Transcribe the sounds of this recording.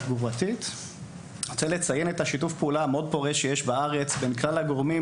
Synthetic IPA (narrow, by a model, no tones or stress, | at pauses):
ɡuʁatit | ot͡sele̞t͡saje̞netaʃitufpeulameo̞d̪̚po̞ʁeʃejeʃbaaʁe̞t͡sbe̞nklalaɡo̞ʁmi